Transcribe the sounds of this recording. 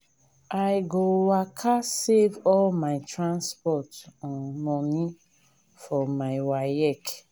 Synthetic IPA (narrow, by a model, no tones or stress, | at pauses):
ajɡowakʰasevɔlmaɪtɹãnspɔtɔ̃nmɔ̃ni | fɔmaɪwaɛk